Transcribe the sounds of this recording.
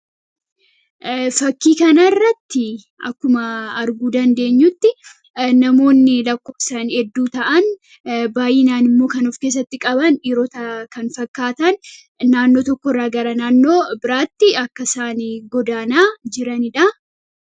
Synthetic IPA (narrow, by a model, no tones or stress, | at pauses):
fɐkːiːkɐnɐrːɐt̪ːɪ | ʔɐ̰kːʊmɐːɾɡuːd̪ɐnd̪e̞ːɲːʊt̪ːɪ | nɐmo̞ːnːɪlɐkːo̞ːfsaːnhɛd̪ːuːt̪ɐʔɐn | baːjɪnaːnɪmːo̞ːkɐnɔfke̞ːs̬ːɐt̪ːɪkʼɐbɐniɾɔt̪ɐkɐnfɐkːaːt̪ɐn | naːnːo̞ːt̪ɔkːɔrːaːɡɐɾɐnaːnːo̞ːbɪɾaːt̪ːɪɐkːɐsaːniɡɔd̪aːnaːd͡ʒɪɾɐnɪᶑɐ